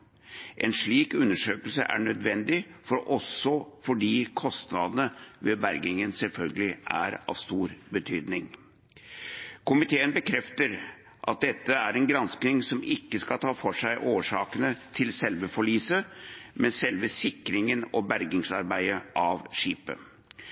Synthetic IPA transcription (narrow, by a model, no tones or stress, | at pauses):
ʔɛ̰nʂɭiːkʉnːəʂøːkəlsə̰ʔæ̰ɳœd̪ʋɛnd̪ɪfɔɾʔɔsːɔfɔɖiːkʰɔst̪nɑd̪ənəʋɛbæɾɡɪŋənsɛlfœlɡəlɪʔæ̰ɾɑ̰ʋst̪uːɾbət̪ʰyːd̪nɪŋ | kʊmɪt̪ʰeːənbəkʰɾɛft̪əɾ | ʔɑt̪̚d̪ɛt̪ːəæɾɛnɡɾɑnsknɪŋsɔmɪkːəskɑlt̪ʰɑːfɔʂæɪʔoːʂɑːkənət̪ʰɪlsɛlʋəfɔɭyːsəmʔɛnsɛlʋəsɪkːɾɪŋənɔbæɾɡɪŋsɑɾbæɪəʔɑʋʂiːpə̰